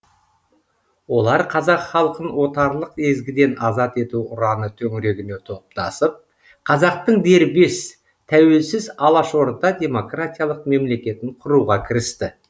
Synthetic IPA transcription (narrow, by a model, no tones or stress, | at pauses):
wo̞lˠɑɾqʰɑzɑqχɑlˠəqənwo̞t̪ɑɾlˠəqe̞zɡʲɪd̪e̞nɑzɑt̪e̞t̪uʊɾɑnət̪ʰɵŋɪɾe̞ɡʲɪne̞t̪ʰo̞p̚t̪ɑ̰səp̚ | qʰɑzɑq̚t̪əɴd̪e̞ɾbe̞s | t̪ʰæwe̞lsɪzɑlˠɑʃo̞ɾd̪ɑd̪ʲe̞mo̞krat̪ʲijalˠəq̚me̞mle̞kʲe̞t̪ɪɴqʰʊɾuʁɑkʲʰɪɾɪst̪ɪ